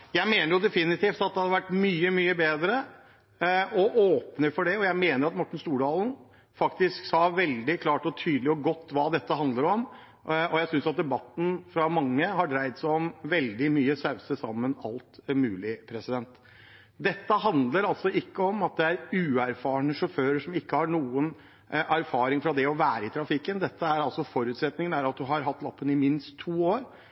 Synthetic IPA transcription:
jæɪmeːnəɾjʊd̪ɛfɪnɪt̪iːft̪ɑt̪̚d̪ɛhɑdɾʋæʈːmyːəmyːəbeːd̪ɾə | ɔʔoːpnəɾfɔɖɛɔjæɪmeːnəɾɑt̪mɔʈːɳ̩st̪uːɖɑːln̩ | fɑkt̪ɪsksɑːʋɛld̪ɪkʰlɑːʈɔt̪ʰyːd̪lɪɔɡɔt̪ːʋɑːd̪ɛt̪ːəhɑnd̪ləɾɔm | ɔjæɪsʏnsjɑt̪̚d̪ɛbɑt̪ːn̩fɾɑmɑŋːəhɑɖɾæɪd̪sæɪɔmʋɛld̪ɪmyːəsɑʉsəsɑ̰mːənɑ̰lt̪mʉːlɪpʰɾɛsɪd̪ɛnt̪ | d̪ɛt̪ːəɦɑnd̪ləɾɑlsɔɪkːəɔmɑt̪̚d̪ɛæɾʉːæɾfɑːɳəʂɔføːɾəʂɔmɪkːəhɑɳuːən | ʔæɾfɑːɾɪŋfɾɑd̪ɛɔʋæːɾəɪt̪ʰɾɑfɪkːənd̪ɛt̪ːəæɾɑlsɔfɔɾʉt̪sɾɛt̪nɪŋənæɾɑt̪̚d̪ʉɦɑɾɦɑt̪ːlɑpːənɪmɪnst̪ʰːuːoːɾ

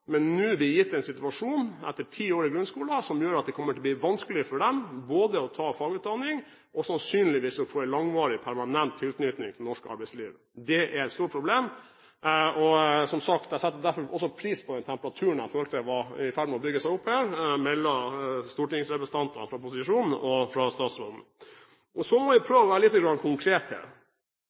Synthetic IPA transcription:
mɛnːʉːbɪjɪt̪ːɛnsɪt̪ʉɑʂuːnɛ̰t̪ːəʈʰiːoːɾɪɡɾʉnskuːlɑsɔmjøːɾɑt̪̚d̪ɛkʰɔmːəʈʰɪlb̪iːʋɑnskəlɪəfɔɖɛmboːd̪əɔt̪ʰɑːfɑːɡʉːt̪̚d̪ɑnːɪŋ | ʔɔsɑnsyːnlɪʋiːsɔfoːɛnlɑŋʋɑːɾɪpʰæɾmɑnɛnt̪ʰːɪlt̪nʏt̪nɪŋt̪ʰɪlnɔʂkəɑ̰ɾbæɪsliːʋə | d̪ɛʔæɾɛt̪st̪uːɾəpʰɾʊbleːm | ɔsɔmsɑk̚t̪d̪æɪsɛt̪ːəd̪æɾfɔɾɔsːɔpʰɾiːspʰɔd̪ɛnt̪ʰɛmpəɾɑt̪ʰʉːəɳ̩æɪfɔhɔlt̪ɛʋɑɪfæɖmɛɔbʏɡːəsæɪʊphæːɾmɛlːɔst̪uːʈɪŋsɾɛpɾəst̪ɑnt̪ɑnfɾɑpʊsɪʂuːnn̩ɔfɾɑst̪ɑːt̪sʋɔd̪n̩ | ɔsɔmɔʋɪpʰɾøːʋɑʋæːɾəlɪt̪ːəɡɾɑnkʰʊŋkʰɾeːt̪hḛ

